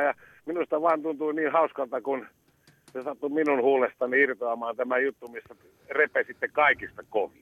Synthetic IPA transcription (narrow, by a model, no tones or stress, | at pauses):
jɑ | minust̪ɑʋɑːnt̪unt̪uiniːnhɑuskɑlt̪ɑkun | sesɑt̪ːuminunhuːlest̪ɑniirt̪oɑmɑːnt̪æmæjut̪ːumisːæ | repːæsit̪ːekɑikist̪ɑkoʋi